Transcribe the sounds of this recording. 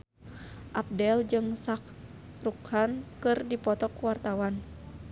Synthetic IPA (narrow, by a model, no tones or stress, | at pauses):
ʔap̚dɛld͡ʒɨŋsak̚ | rukhankɨrdipɔt̪ɔkuwart̪awan